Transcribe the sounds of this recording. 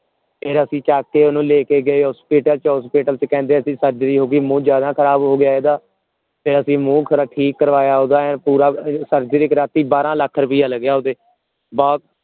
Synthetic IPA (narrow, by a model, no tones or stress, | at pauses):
pʰɪɾəsĩːt͡ʃaːkkːeːʊnũːleːkeːɡəeːɦɔːspiːʈəlt͡ʃɦɔːspiːʈəlt͡ʃkɛ̃ːnd̪eːəsĩːsəɾd͡ʒɾiːɦoːɡiːmũːd͡ʒjaːd̪ãːkʰəɾaːbɦoːɡɪjaːeːd̪aː | pʰɪɾəsĩːmũːkʰɾaʈʰiːkːəɾʋaːjaːɦoːd̪aːɛːpuːɾaːsəɾd͡ʒɾiːkɾaːt̪iːbaːɾãːləkʰːəɾbiːaːləɡjaːɦoːd̪eː | bɔːt̪̚